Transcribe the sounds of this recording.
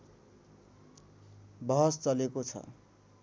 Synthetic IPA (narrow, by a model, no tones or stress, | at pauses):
bʌɦʌst͡sʌlekot͡sʰʌ̰